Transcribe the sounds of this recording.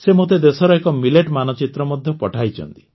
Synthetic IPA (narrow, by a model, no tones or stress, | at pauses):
semot̪ed̪esɔɾɔekɔmileʈmanɔt͡ʃit̪ɾɔmɔd̪ʱjɔpɔʈʰajt͡ʃʰɔ̰nt̪i̥